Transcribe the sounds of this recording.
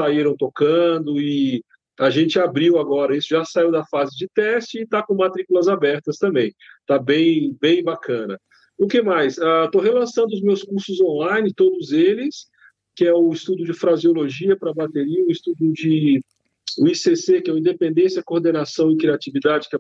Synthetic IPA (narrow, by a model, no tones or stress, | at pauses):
aiɾɐ̃w̃t̪okɐ̃d̪ʊɪ | aʒẽt͡ʃɪabɾiwaɡɔɾɐisʊʒasaiwd̪ɐfazɪd͡ʒɪt̪ɛst͡ʃɪːt̪akõw̃mat̪ɾikulɐzabɛɾt̪ɐst̪ɐ̃mbẽj̃t̪abẽj̃bẽj̃bakɐ̃nɐ̰ | ʊkemajsat̪oɦelɐ̃sɐ̃nd̪ʊzmewskuɾsʊzõlajnɪt̪od̪ʊzelɪs | kɪɛʊɪst̪ud̪ʊd͡ʒɪfɾazioloʒiɐpɾɐbat̪eɾiɐʊɪst̪ud̪ʊd͡ʒɪ | ʊisesekɪɛĩnd̪epẽnd̪ẽsjɐkoɾd̪ẽnasɐ̃w̃ɪkɾiat͡ʃivid̪ad͡ʒɪkɛ